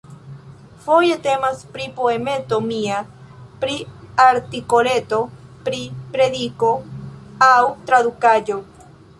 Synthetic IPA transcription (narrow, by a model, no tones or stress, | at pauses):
fo̞jet̪e̞maspɾipoemet̪omia | pɾiaɾt̪ikolet̪o̞pɾipɾed̪iko | awt̪ɾad̪ukad͡ʒo